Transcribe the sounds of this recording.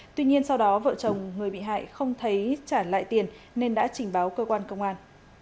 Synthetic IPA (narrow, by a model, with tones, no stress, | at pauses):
t̪wi˧ɲi˧ənsa˧wɗɔ˨˦və̰˧˨t͡ɕə˨˩wŋ͡mŋɨ˨˩əjɓḭ˧˨ɦa̰ː˧˨jxə˧wŋ͡mt̪ʰə˨˦jt͡ɕaː˧˩la̰ː˧˨jt̪i˨˩ənː | e˧nɗa̰ː˧˥t͡ɕï˨˩ŋ̟ɓaː˨˦wkəː˧kwaː˧nkə˧wŋ͡mʔaː˧n